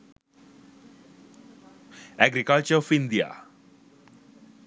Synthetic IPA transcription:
æɡɾikəlt͡ɕəɾɔfind̪ija̰

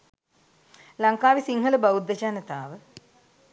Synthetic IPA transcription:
lɐŋkaːʋisiŋɦələbaud̪ːɐt͡ʃaːnət̪aːʋə

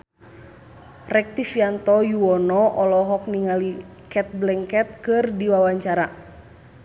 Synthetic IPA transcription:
rɛk̚t̪ifiant̪ɔjuɔnɔʔɔlɔɦɔk̚niŋali | kɛt̪̚blɛŋkɛt̪̚kɨrdiwawaɲt͡ʃaɾa

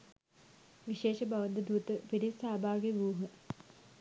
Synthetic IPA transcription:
ʋiʃeːʃəbaʋənd̪əd̪ut̪əpiɾisaːbaːɡeʋuːɦə

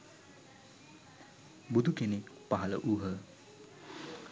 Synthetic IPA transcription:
bud̪ʱukenepaɦalə̰ʔuɦə

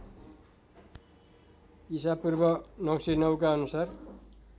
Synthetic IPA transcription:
isapurbʌnʌwsinʌwkaʌnusar

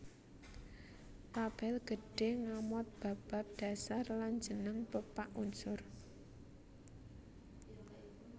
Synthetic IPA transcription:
lab̥ɛlɡ̥ə̤ɖ̥e̤ŋamɔt̪̚b̥a̤b̥a̤p̚d̥ä̤sarland͡ʒənəŋpəpaʔunsʊr

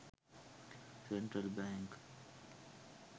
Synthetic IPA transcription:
sɛ̃ɳʈɾəlbɛ̃ŋk

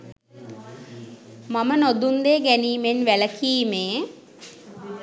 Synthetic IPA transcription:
mamənod̪und̪eːɡæniːmenʋæləkʰiːmeː

